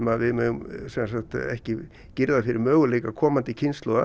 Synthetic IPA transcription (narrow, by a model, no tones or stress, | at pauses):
maðvɪðmœːʏmsɛnsakt̪ɛ̰hcɪ | cɪɾðafɪɾɪ̰ɾmœːɣʏleːjkakʰɔːmant̪ɪcʰɪnst̪lɔða̰